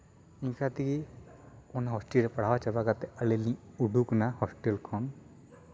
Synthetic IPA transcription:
ĩŋkʰat̪iki | ɔnaɦɔsʈilɾɛpəɽ̤awat͡ʃabakat̪ɛəlelĩuɖʱuknahɔsʈelkʰɔn

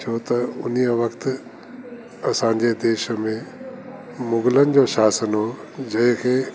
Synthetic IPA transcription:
t͡ɕʰoːt̪ɐʊn̤iəʋɐkt̪ɪ | ɐsãːɲ̆d͡ʑed̪eːʃə̆mẽ | mʊɡɪlənɪ̆d͡ʑoːʃaːsənɦo | d͡ʑɐ̃ɦɪ̃kʰeː

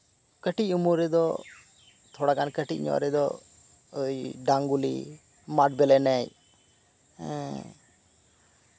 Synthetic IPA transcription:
kəʈic̚umuɾɛd̪ɔ | t̪ʰɔɽakankəʈḭc̚ɲɔ̰̃ʔɾɛd̪ɔ | jɖaŋɡulḭ | maʈ̚bɛlɛnɛj | ɛ

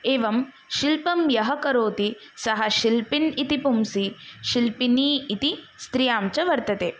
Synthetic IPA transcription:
eːʋɐm | ʃilpɐmjɐɦɐkɐɾoːt̪i | sɐɦɐʃilpinit̪ipumsiʃilpiniːit̪i | st̪ɾijaːmt͡ʃɐʋɐɾt̪ɐt̪eː

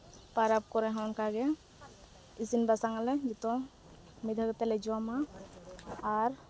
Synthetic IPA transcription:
paɾap̚kɔɾɛ̃ɦɔnkaɡɛ | isinbasaŋalɛd͡ʒɛt̪ɔ | mid̪ʱaɡt̪ɛlɛd͡ʒɔwamaː | ɾ

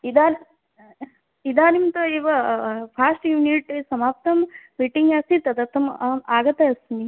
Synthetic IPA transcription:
id̪aːn | id̪aːnimt̪ɐiːʋɐpʰaːsʈjuːniʈsɐmaːp̚t̪ɐmbiʈiŋɡaːsit̪ɐd̪ɐt̪ːɐmɐaːɡɐt̪ɐɐsni

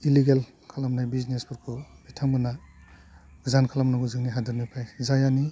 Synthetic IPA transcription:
iliɡel | kʰalamnajbiznespʰuɾkʰubitʰaŋmbɯna | zankʰalamnaɡuzɯŋniɦadɯɾmipʰajzajani

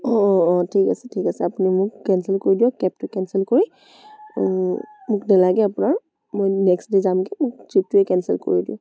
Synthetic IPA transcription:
ɔːtʰikasɛ̥tʰikasɛapunimʊkkɛnsɛlkoɹidiɔ̃kɛp̚tʊkɛnsɛlkoɹi | mʊknalaɡɛapʊnaɹ | mojnɛkstdezamkimʊk̚t͡ʃip̚tʊɛkɛnsɛlko̰ɹidiʊ̃

